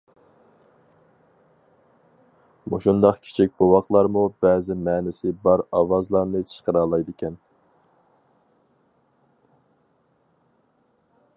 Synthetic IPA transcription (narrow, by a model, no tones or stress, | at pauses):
mo̰ʃund̪ɑqkʲʰi̥t͡ʃʰik̚ʲbowɑqlˠɑɾmubɛzɪmɛːnɪsɪbɑɾɑwɑzlˠɑɾnɨt͡ʃʰə̥ʃqəɾɑːlˠɑjd̪ɪkʲʰɛn